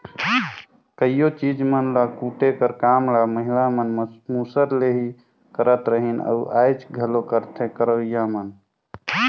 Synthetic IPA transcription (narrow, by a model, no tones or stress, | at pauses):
kəijot͡ʃid͡ʒmənlakuʈekəɾkamlaməɦilamənmusəɾleɦi | kəɾət̪ɾəɦinə̰uʔajt͡ʃɡʱəlokəɾt̪ʰekəɾəijamən